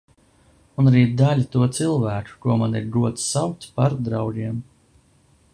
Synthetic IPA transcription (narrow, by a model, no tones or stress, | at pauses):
unaɾiːd̪aʎʲit̪uɔt̪silˠvæːku̥kuɔmaniɾɡuɔt̪ssawkt̪paɾd̪ɾawd͡ʒiɛm